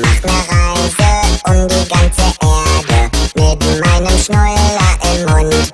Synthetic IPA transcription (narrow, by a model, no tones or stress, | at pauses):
maχtnəʁaɪzəʔʊmdiːɡant͡səʔeːɐdəneːbm̩maɪnəmʃnɔʏlɐʔɪmːʊnt